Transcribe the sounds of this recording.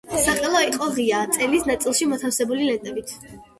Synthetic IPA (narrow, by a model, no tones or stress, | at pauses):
saqʼɛlˠɔiqʼɔʁiat̪sʼɛlisnat̪sʼilˠʃimɔt̪ʰafsɛbulilɛt̪ʼɛbit̪ʰ